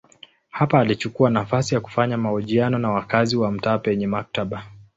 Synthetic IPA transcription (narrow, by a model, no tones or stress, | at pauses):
hapaːlit͡ʃukuanafasijaku̥faɲamahɔʄianɔnawakaziwam̩taːpɛɲɛmak̚taɓa